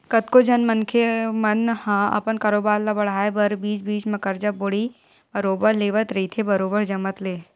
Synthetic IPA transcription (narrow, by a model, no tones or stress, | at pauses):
kɐt̪kod͡ʒɐnmənkʰemɐnhãːɐ̰pənkaːɾoːbaːɾlabɐɽ̤aːebɐɾbiːt͡ʃbiːt͡ʃmɐkəɾd͡ʒabʊɽi | bɐɾoːbəɾleːʋət̪ɾɐit̪ʰebɐɾoːbəɾd͡ʒɐmət̪leː